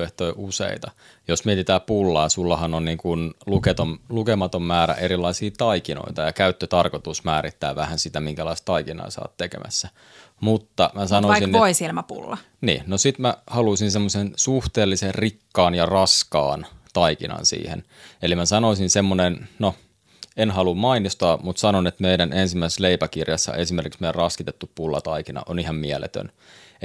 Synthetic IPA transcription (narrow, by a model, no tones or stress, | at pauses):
eht̪oiʔusḛit̪ɑ | josmiet̪it̪æːpulːɑːsulːɑhɑnonniːŋkunluket̪omlukemɑt̪ommæːɾæ̰ʔeɾilːˑɑisiːt̪ɑikino̰it̪ɑjɑkæyt̪ːøt̪ɑrkot̪usmæːɾit̪ːæːʋæhænsit̪æmiŋkælɑist̪t̪ɑikinɑ̰ḛsɑ̰ːt̪tekḛmʔæ̰sːæ | mut̪ːɑmæsɑnoiɑsisinʋoisielmæpṵlːɑ | nḭːnnosit̪mæhɑluisinsemːosensuht̪eːlːiserrikːɑːnjɑrɑskɑ̰ːnt̪ɑikinɑ̰nsḭːhḛn | elimæsɑnoisinsemːonenno | enhɑlummɑinist̪ɑːmut̪sɑnonet̪meiɾænʔensimːæise̥sleipækirjɑsːɑ̰ʔesimerkiksmeijrrɑskit̪et̪ːuppulːɑ̰t̪ɑikinɑ̰ʔonihɑmmiælḛt̪ø̰n